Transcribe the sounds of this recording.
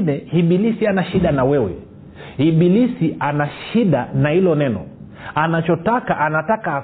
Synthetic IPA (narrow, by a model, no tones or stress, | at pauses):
nɛhiɓilisianaʃiɗanawɛwɛ̰ | hiɓilisiʔanaʃiɗanahilɔnɛnɔ̰ | anat͡ʃɔtakaʔanatakaː